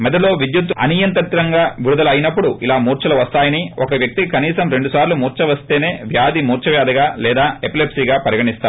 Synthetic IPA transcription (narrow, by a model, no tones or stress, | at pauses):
mɛd̪ɐlo̞ːʋid̪jut̪ɐ̰niːjɐnt̪ɐt̪ɾɐŋɡaːʋiɽud̪ɐlɐjinɐpːuɽuʔilaːmuːɾt͡ʃɐlɐʋɐst̪aːjɐniɔkɐʋjɐk̚t̪ikikɐniːsɐmɾe̞ɳɖusaːɾlumuːɾt͡ʃɐʋɐst̪e̞ːne̞ːʋjaːd̪imuːɾt͡ʃɐʋjaːd̪ɐɡaːlɛːd̪aːeplepsiːɡaːpɐɾjɐɡɐʈist̪aː